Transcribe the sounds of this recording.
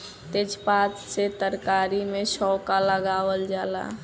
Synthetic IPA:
t̪ed͡ʒpat͡ʃset̪əɾkaɾimesɔwkaləɡawəld͡ʒala̰

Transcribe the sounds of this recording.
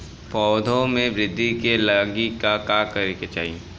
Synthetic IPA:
pɔːd̪ʱõmẽʋɾɪd̪ʱːikelɐɡikakaːkɐɾeket͡ʃa̰ːie

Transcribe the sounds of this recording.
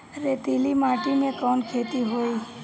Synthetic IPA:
ɾet̪ilimaʈinẽkɔnkʰet̪iɦoj

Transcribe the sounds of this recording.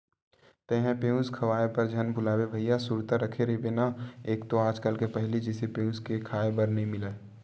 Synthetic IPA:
t̪ɛɦɛ̃pẽːũskʰɐʋaːepəɾd͡ʒʱənbʱʊlaːwebʱəijasuːɾt̪aɾəkʰeɾebenaeːkt̪oaːd͡ʒkəlkepɛɦlid͡ʒɛsepeːũskekʰaːebəɾnɐɦĩmɪle

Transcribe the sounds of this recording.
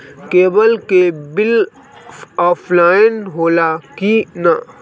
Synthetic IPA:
keːbəlkebɪl | ɔːpʰlaːɪnɦoːlakina

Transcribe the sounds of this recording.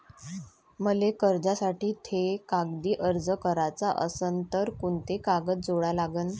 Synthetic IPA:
məlekəɾd͡ʑasaʈiːt̪ʰekaɡd̪iːʔəɾd͡zəkəɾat͡saʔə̰sənt̪əɾkuɳt̪ekaɡət̪d͡zoɭalaɡən

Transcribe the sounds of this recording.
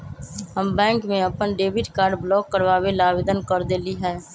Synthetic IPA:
ɦəmbɛ̃ːŋkmẽəpənɖeːbɪʈkaːɾɖblɔːkːəɾʋaːwelaːʋɪd̪ənkəɾd̪eːliɦɛː

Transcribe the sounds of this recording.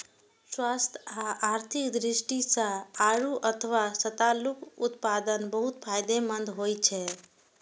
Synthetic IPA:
swast̪ʰaaɾt̪ʰikd̪ɾisʈisə̃aɾuʔət̪ʰəʋasət̪alukut̪pad̪ənbəɦut̪pʰajd̪emənd̪ʱɦojt͡ʃʰɛ

